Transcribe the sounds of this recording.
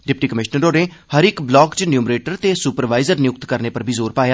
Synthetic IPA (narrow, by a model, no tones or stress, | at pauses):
ɖɪpʈiːkəmɪʃnəɾɾoːɽẽːhəɾɪkblɔːkt͡ʃnjuːmɾeːʈəɾt̪eːsupəɾʋaːɪzəɾnɪjʊk̚t̪kəɾneːpəɾbʱiːzoːɾpaːjaː